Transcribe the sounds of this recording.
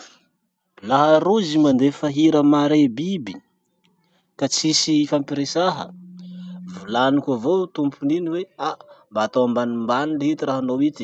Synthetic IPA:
laɦəɾuzimand̪efaɦiɾəmaɾebibi | kat͡sisifampiɾesaɦə̰ | vulanikʲavot̪umpuniniweaʔmbaːt̪oambanimbanileɦit̪iɾaɦanowit̪i̥

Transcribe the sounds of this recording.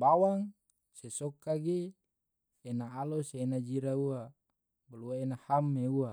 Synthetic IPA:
bawaŋ | sesɔkːaɡi | enaːloseːnad͡ʒiɾaua | baluaenahamːeua

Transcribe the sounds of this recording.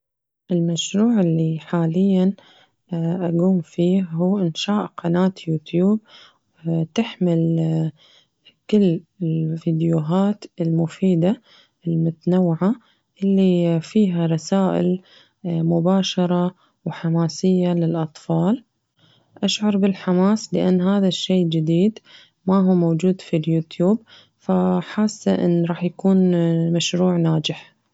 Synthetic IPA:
ʔɪlmaʃɾuːʕɪlːiħaːlɪjːan | ʔaɡuːmfiːhuːʔɪnʃaːʔqɑnaːt̪juːt̪juːb̚ | t̪ɪħmɪl | kɪlːɪlfiːd̪juɦaːt̪ɪlmʊfiːd̪a | ɪlmʊt̪anawːʕa | ʔɪlːifiːɦaɾˤɑsaːʔɪ̰l | mʊbaːʃɑɾˤɑ | wħamaːsɪjːalɪlʔɑt̪ˤfɑːl | ʔaʃʕɑɾˤbɪlħamaːslɪʔanːɦaːðaʃːeːd͡ʒɪd̪iːd̪ | maɦuːmowd͡ʒuːd̪filjuːt̪juːb̚ | faħaːsːaʔɪ̰nːɾˤɑːħjakuːnmaʃɾuːʕnaːd͡ʒɪħ

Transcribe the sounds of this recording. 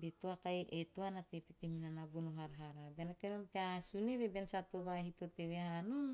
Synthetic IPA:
bet̪oakajʔetoanat̪epet̪eminanabonoɦaɾɦaɾabenakenomkeasuneβebensat̪oβahit̪oteweano

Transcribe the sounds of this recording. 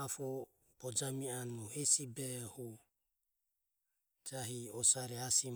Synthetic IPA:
afɔ | b̥ɔd͡ʒamianuhɛsibɛhu | d͡ʒaɦiɔsaɾɛasim

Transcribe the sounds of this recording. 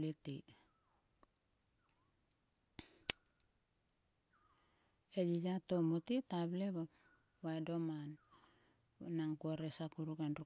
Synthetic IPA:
leti | ed͡ʒid͡ʒatomutitableba | βaedoman | naŋkuaɾesakuɾukenɾu

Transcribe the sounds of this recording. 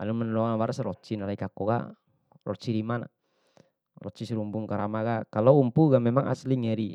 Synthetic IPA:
a̰lumɛnlɔanawaɾasɾɔt͡ʃinalaikakɔka̰ | rɔ̰t͡ʃiɾimana̰ | rɔ̰t͡ʃisɾumbuŋkaɾamaɡakalɔumpuɡamɛmaŋa̰sliŋɛɾi

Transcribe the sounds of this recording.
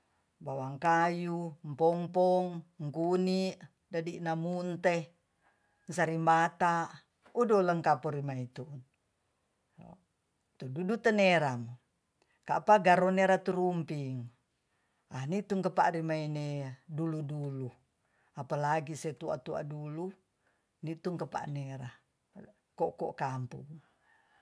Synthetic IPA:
bawaŋkajumpɔmpɔŋŋkuniʔ | dadinamunt̪e | nsaɾimbat̪a | udɔləŋkapɔɾimait̪un | t̪ududut̪əneɾam | ka̰paɡaɾoneɾat̪uɾumpiŋ | anit̪uŋkəpa̰ɾimaineduludulu | apalaɡiset̪ua̰t̪ua̰dulu | nit̪uŋkəpa̰neɾa | kɔkɔʔkampṵŋ

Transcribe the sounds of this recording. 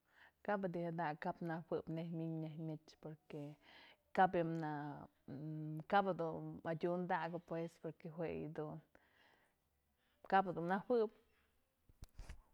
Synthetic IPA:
kabad̪ʲihad̪akapnawɨbnehmʲiɲnehmʲit͡ʃpoɾkekabimna | kabad̪unmadʲund̪aɡɨpwespoɾkeɦwej̰d̪un | kabad̪unawɨp

